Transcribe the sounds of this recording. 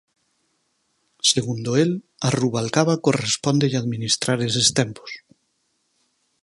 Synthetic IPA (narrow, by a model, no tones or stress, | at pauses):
seɣund̪oel | aruβalkaβakorespɔnd̪eʎaðmĩnist̪ɾaɾesest̪empo̥s